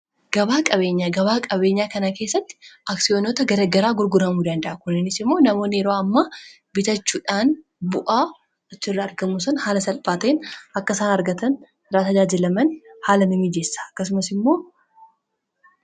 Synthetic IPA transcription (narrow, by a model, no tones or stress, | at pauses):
ɡ̥ɐbaːkʼɐβe̞ːɲːaɡɐβaːkʼɐbe̞ːɲːaːkɐnɐke̞ːsːɐt̪ːɪ̥ʔɐksɪjoːnot̪ɐɡɐɾɐɡɐɾaːɡʊɾɡʊɾɐmuːd̪ɐnd̪ɐʔɐkʊnɪnːɪsɪmːo̞ːnɐmo̞ːnːɪɛɾoːɐmːa | bɪt̪ɐt͡ʃːuːᶑaːn | bʊʔaː | ɐt͡ʃːɪrːɐːɾɡɐmusɐnhaːlɐsɐlpʼaːt̪eːnʔɐkːɐsaːnɐɾɡɐt̪ɐn | raːt̪ɐd͡ʒaːd͡ʒɪlɐmɐnhaːlɐmɐmiːd͡ʒeːsːḁɐkːɐsʊmɐsɪmːo̞ː